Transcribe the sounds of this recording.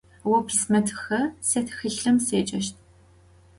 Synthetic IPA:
wɔpʰsmɐtʰxɐsɐtʰxɨɬɐmseːt͡ʃʼɐʃtʰ

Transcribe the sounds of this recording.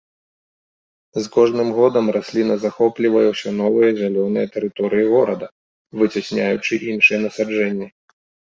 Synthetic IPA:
zkɔʐnɨmɣɔd̪ɐmrasʲlʲinɐzaxɔplʲivɐjɛwsʲan̪ɔvɨjɐzʲalʲɔnɨjɛt̪ɛɾɨt̪ɔɾɨjiɣɔɾɐd̪ɐ | vɨt͡sʲasʲnʲajut͡ʂɨʔinʂɨjɛnɐsad͡ʐɛnʲːi

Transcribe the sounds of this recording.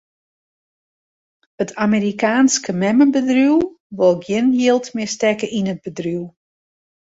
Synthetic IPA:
ətʰameɾikaːnskəmɛməbədruw | ʋolˠɡjɪnjilˠtmɪstɛkəʔinəd̚bədryw

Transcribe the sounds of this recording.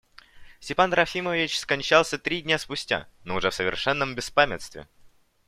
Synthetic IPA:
sʲtʲɪpanɾɐfʲiməvʲɪt͡ɕskɐnʲt͡ɕalˠsʲət̪ɾʲidʲnʲaspʊsʲtʲa̰noʊʐɛfsəvʲɪ̰rʂɛnːəmbʲɪspamʲɪ̰t̪st̪vʲɪ̰

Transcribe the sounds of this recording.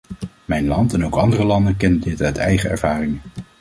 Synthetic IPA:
mɛjnlɑntɛnowkɑndərəlɑndəkɛndədɪtœɥtɛ̰jχəɛ̰ɹvaːrɪŋə

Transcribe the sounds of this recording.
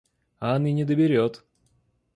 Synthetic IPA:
aaninʲɪd̪əbʲɪɾʲot̪

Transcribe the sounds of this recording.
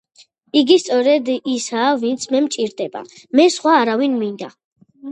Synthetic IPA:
iɡist̪sʼɔɾɛd̪isaːvint̪sʰmɛmt͡ʃʼiɾd̪ɛba̰ | mɛsχwaːɾavinmind̪a

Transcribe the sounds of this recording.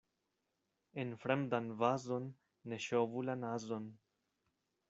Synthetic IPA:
enfɾɛmd̪anvaːzonː | eʃovulanazon

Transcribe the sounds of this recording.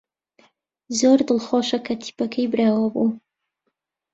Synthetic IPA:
zoɾd̪ɨlχoːʃɐkʰɐt̪ʰi̥pɐkʰɐjbɨɾaːwɐbṵ

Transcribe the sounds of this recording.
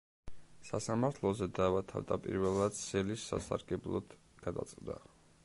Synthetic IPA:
sasamaɾt̪ʰlˠɔzɛd̪avat̪ʰavd̪apʼḭɾvɛlˠad̪sɛlisːa̰sa̰ɾɡɛblˠɔd̪̥ | ɡ̥ad̪a̰t̪sʼqʼd̪a̰

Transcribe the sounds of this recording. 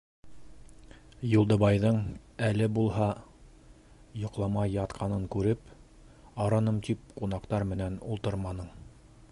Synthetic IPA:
julˠd̪ɤ̆βɑjðɤɴælɘbulˠɦɑ | jŏqlˠɑmɑjɑt̪qʰɑnɤɴkʉɾɘp | ɑɾɑnɤmt̪ip̚qunɑqt̪ɑɾmɘ̆nænulˠt̪ɤɾmɑnɤɴ

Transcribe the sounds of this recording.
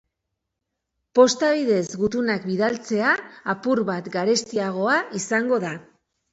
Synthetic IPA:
po̞st̪aβ̞iðe̞zɡut̪unakbiðalt͡se̞aːpuɾβat̪ɡaɾe̞st̪iaɣ̞o̞aisaŋɡo̞ð̞a

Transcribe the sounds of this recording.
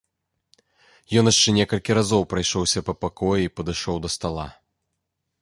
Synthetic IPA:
jɔnjaʂt͡ʂɛnʲɛkɐlʲkʲiɾazɔwpɾajʂɔwsʲɐpɐpakɔjɛipɐd̪ɨʂɔwd̪ɐst̪alˠa̰

